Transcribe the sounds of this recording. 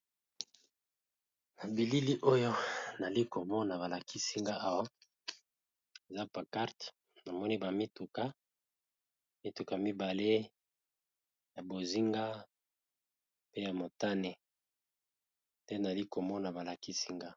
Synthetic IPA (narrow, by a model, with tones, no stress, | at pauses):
na˨bi˨li˦li˦ʔo˦jo˦na˨li˦ko˨mɔ˦na˨ba˨la˨kʰi˦si˦ŋɡa˦ʔa˦wa˦ | e˨za˦pa˨ka˦ʁt | na˨mɔ˦ni˦ba˨mi˦tu˨ka˦ | mi˦tu˨ka˨mi˦ba˨le˦ | ja˨bo˨zi˦ŋɡa˦ | pe˦ja˨mo˨ta˦ne˨ | te˦na˨li˦ko˨mɔ˦na˨ba˨la˨ki˦si˦ŋɡa˦